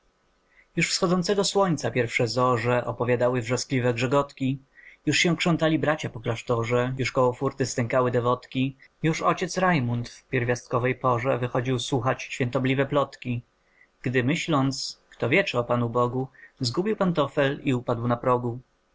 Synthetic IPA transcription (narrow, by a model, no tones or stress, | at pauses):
juʂfsxɔd̪zɔnt̪sɛɡɔswɔɲʲt̪sapʲjɛɾfʂɛzɔʐɛʔɔpɔvʲjad̪awɘvʐɛsklʲivɛɡʐɛɡɔt̪kʲi | juʂɕɛ̃kʂɔ̃nt̪alʲibɾat͡ɕapɔklaʂt̪ɔʐɛjuʂkɔwɔfuɾt̪ɘst̪ɛŋkawɘd̪ɛvɔt̪kʲijuʂɔt͡ɕɛt̪sɾajmunt̪fpʲjɛɾvʲjast̪̚kɔvɛjpɔʐɛvɘxɔd͡ʑiwswuxat͡ɕɕfʲjɛ̃nt̪ɔblʲivɛplɔt̪kʲi | ɡ̥d̪ɘmɘɕlɔnt̪skt̪ɔvʲjɛt͡ʂɛɔpanubɔɡuzɡubʲiwpant̪ɔfɛliupad̪wnapɾɔɡu